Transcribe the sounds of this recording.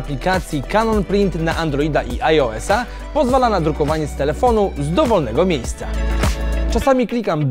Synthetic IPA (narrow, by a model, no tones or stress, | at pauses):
plʲikat̪sʲjikanɔnpɾʲint̪naʔand̪ɾɔid̪aʔiʔajɔɛsa | pɔzvalanad̪ɾukɔvaɲɛst̪ɛlɛfɔnuzd̪ɔvɔlnɛɡɔmʲjejst̪sa̰ | t͡ʂasamʲiklʲikamd̪